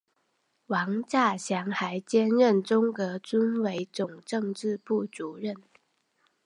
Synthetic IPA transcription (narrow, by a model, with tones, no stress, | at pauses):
wɑ˧˥ŋt͡ɕa˥˩ɕjɑ˧˥ŋxa˧˥ɪt͡ɕjɛ˥nɻə˥˩nʈ͡ʂʊ˥ŋkɤ˧˥t͡sə˥nwe˧˥ɪt͡sʊ˨˩ŋʈ͡ʂɤ˥˧ŋʈ͡ʂɻ̩˥˧pu˥˩t͡su˨˥˦ɻə˥˩n